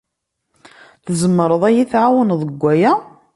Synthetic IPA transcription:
θəzəmːəɾˤəðˤæjiθʕawənðˤəɡʷːæjæ

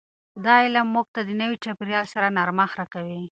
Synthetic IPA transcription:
d̪ɑɪlamːuɡ̚t̪ad̪ənəwit͡ʃapɾjɑlsaɾanɑɾmaxɾakawi

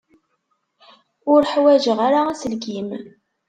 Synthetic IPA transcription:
ʊɾħwæʒəʁaɾaæsəlɡim

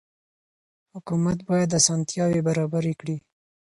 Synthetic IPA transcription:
hʊkumat̪bɑjad̪asɑnt̪jɑwebaɾɑbaɾekɽi

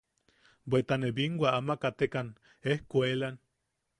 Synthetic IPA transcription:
bet̪aneβiŋɡwaamakat̪ekan | ehkʷelan

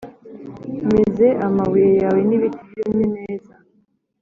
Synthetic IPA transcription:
meze̞ʔamawiɾejaːwe̞niβitijimɲeneːza

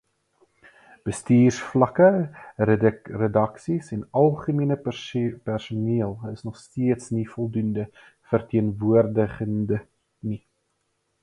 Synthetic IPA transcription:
b̥əstiːrsflɐkərədərədɐksisɛnɐlˠχəmiənəpærsuniəlˠəsnɔχstiətsnifɔlˠdundə | fərtiənvuərdəχəndə | ni

